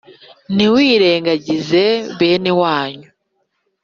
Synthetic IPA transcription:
niwiːɾe̞ːŋɡaɟize̞βe̞ːnewaːɲu

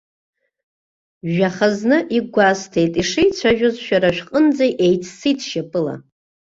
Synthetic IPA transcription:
aχaznɨʔiɡʷastʰejtʼiʂijt͡ɕʷʰaʒᶣʊzʃᶣaɾaʃᶣqʼənd͡zejʔejt͡sʰsitʰʃapʼɨla̰

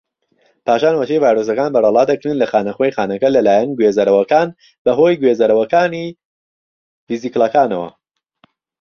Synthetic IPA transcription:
pʰaːʃaːnwɐʃejvaːjɾos̬ɐkaːnbɐrɐlˠɑːd̪ɐkɾɨnlɐxaːnɐχojxaːnɐkɐlɐlaːjɐnɡweːzɐɾɐwɐkaːn | bɐɦo̞ːjɡwezɐɾɐwɐkaːni | viziklˠɐkaːnɐwɐ̰

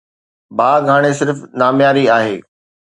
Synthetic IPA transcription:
bʱaːɡʱaːɽ̃esɪɾfnaːmjaːɾiaːɦeː

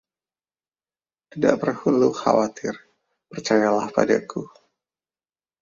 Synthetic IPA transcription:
t̪ida̰ʔpərhunluxa̰wat̪ʰɪr | pərt͡ʃajalahpa̰daku

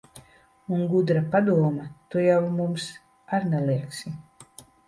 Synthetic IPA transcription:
unɡud̪ɾapad̪uɔmat̪ujawmums | aɾnɛliɛksi

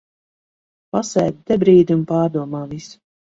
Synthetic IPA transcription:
pasɛ̰ːd̪̚d̪ɛbɾiːd̪ʲunpaːɾd̪uɔmaːvis

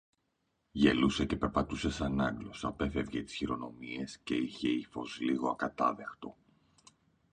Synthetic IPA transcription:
ʝe̞luse̞ce̞pe̞ɾpɐt̪usesɐnɐŋɡlo̞sɐpe̞fe̞vʝet̪i̥sçiɾo̞no̞mie̞sce̞içe̞ifo̞zliɣo̞ɐkɐt̪ɐðe̞xt̪o̞̰

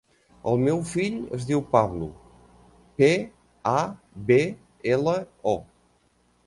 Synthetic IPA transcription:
əlˠmɛwfiʎə̰zðiwpaβlṵ | pe | a | be | eləɔ

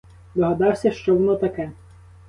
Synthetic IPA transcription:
d̪ɔɦɐd̪ɑwsʲɐʃt͡ʃɔʋɔnɔt̪ɐkɛ

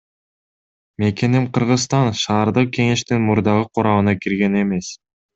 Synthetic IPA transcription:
me̞ke̞nimqɯɾʁɯsst̪ɑnʃɑːɾd̪ɯq̚kʲe̞ŋe̞ʃt̪inmuɾd̪ɑʁɯqʰuɾɑmɯnɑkiɾɡe̞ne̞me̞s

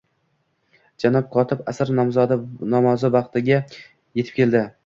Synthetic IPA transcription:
d͡ʒanɒp̚qʰɒt̪ʰɪpasɪɾnmzɒd̪nɒmɒzɪbɑqt̪ɪɡʲa | jet̪ʰɪ̥p̚kʲe̞ld̪ɪ

